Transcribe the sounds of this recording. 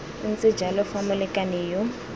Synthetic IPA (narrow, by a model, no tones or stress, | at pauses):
n̩t͡sʼɪ̥d͡ʒalɔfamʊlɛkʼanɪjʊ